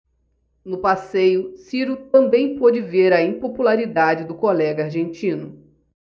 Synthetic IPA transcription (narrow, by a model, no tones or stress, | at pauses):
nʊpasejʊsiɾut̪ɐ̃mbẽj̃pod͡ʒɪveɾɐĩpopulaɾid̪ad͡ʒɪd̪ʊkolɛɡɐaɾʒẽnt͡ʃĩnʊ